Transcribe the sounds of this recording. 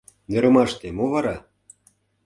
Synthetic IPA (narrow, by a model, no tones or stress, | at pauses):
nĕɾɤ̆mɑʃt̪emoβɑɾɑ